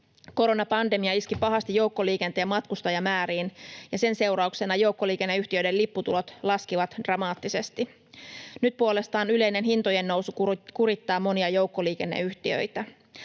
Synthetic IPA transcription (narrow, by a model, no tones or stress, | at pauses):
ko̞ɾo̞nɑpɑnde̞miɑiskipɑɦɑst̪ijo̞wkːo̞liːke̞nt̪ejɑmɑt̪kust̪ɑjɑmæːɾiːnjɑse̞nse̞wɾɑukse̞nɑjo̞wkːo̞liːke̞nːeyht̪iø̞jde̞lipːut̪ulo̞t̪lɑskiʋɑt̪d̥rɑmɑːt̪ːise̞st̪i | nyt̪̚puo̞le̞st̪ɑːnyle̞jne̞nɦint̪oje̞nːo̞wsukkuɾit̪ːɑːmːo̞niɑjo̞wkːo̞liːk̟e̞nːḛyht̪iø̰jt̪æ